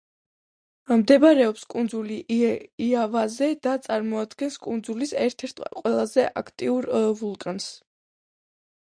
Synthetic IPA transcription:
md̪ɛbɾɛɔpskʼund̪zuliiavazɛd̪at̪sʼaɾmɔad̪ɡɛnskʼund̪zulisɛɾt̪ʰɛɾt̪ʰqʼwɛlˠazɛʔa̰kʰt̪ʼiuɾvulˠkʼans

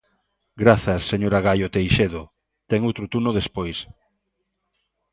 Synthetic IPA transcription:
ɡɾaθɐsːeɲoɾaɣajot̪ejʃeðʊ | t̪ɛŋowt̪ɾʊt̪unʊðespojs

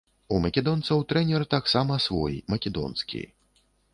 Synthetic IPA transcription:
umɐkʲɛd̪ɔnt̪sɐwt̪ɾɛnʲɛrt̪aksamɐsvɔ̰jḭmɐkʲɛd̪ɔ̰nskʲḭ

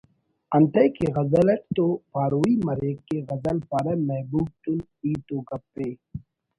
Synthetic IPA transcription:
ɐnt̪ɐjkeɣɐzɐlɐʈ̚t̪opaːɾuːimɐɾeːkːeɣɐzɐlpɐɾɐmɐɦbuːb̚ʈ̪un | iːt̪okɐpːeː

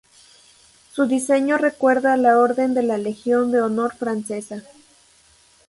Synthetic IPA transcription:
suðise̞ɲo̞re̞kwe̞ɾðalao̞ɾðe̞nd̪e̞lale̞xjo̞nd̪e̞ono̞ɾfɾanse̞sa

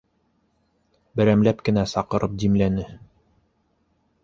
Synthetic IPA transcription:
bɘ̆ɾæmlæpkɘ̆næsɑqɤ̆ɾʔɤp̚d̪imlænɘ

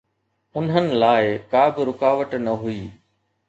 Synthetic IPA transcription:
ʊnɦənɪ̆laːɪkaːbɪɾʊkaːʋəʈnɐɦuiː

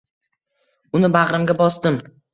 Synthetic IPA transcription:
ʊnɪbaʁɾɪmɡʲabɒsd̪ɪm

